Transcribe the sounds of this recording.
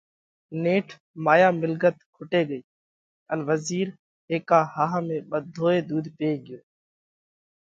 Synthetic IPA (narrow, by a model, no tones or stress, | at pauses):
neːʈʰ | maːjaːmɪlɡət̪kʰʊʈeːɡəiː | ənʋəziːɾ | ɦeːkaːhaːɦmẽːɓəd̪ʱːoːeːd̪uːd̪peːɡɪjoː